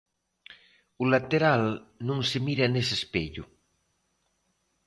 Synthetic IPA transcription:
ulat̪eɾalnũŋsemiɾanesespeʎṵ

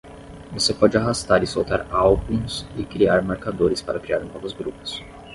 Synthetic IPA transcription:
vosepɔd͡ʒɪaɦast̪aɾɪsowt̪aɾawbũsɪkɾiaɾmeɾkad̪oɾɪspaɾɐkɾiaɾnɔvʊzɡɾupʊ̥s

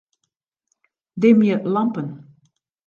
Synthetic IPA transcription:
d̪emjəlɑmpən

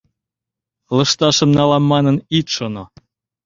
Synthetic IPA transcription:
lɤ̆ʃt̪ɑʃɤ̆mnɑlɑmːɑnɤnit̪ʃono

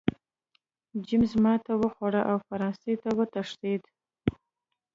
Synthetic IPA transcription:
d͡ʒimzmɑt̪awəxaɽaʔawfaɾɑnsejt̪awət̪aʂt̪ed̪

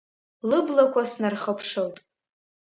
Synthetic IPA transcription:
lɨblakʷʰasnarχəpʰʂowtʼ

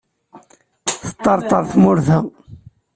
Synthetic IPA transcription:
θə̥t̪ˤːɑɾˤt̪ˤɑɾˤθmʊɾθæ

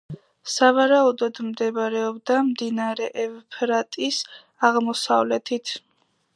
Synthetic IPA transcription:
savaɾaud̪ɔd̪md̪ɛvɾɛɔb̚d̪amd̪inaɾɛʔɛvpʰɾat̪ʼis | aʁmɔsa̰vlɛt̪ʰit̪ʰ

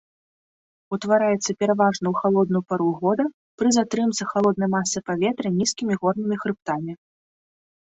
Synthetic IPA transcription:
ut̪vaɾajɛt̪sːɐpʲɛɾavaʐnɐwxalˠɔd̪̚nujpaɾuɣɔd̪ɐ | pɾɨzat̪ɾɨmt̪sɐxalˠɔd̪̚nɐjmasːɨpavʲɛt̪ɾɨnʲiskʲimʲiɣɔrnɨmʲixɾɨp̚t̪amʲi

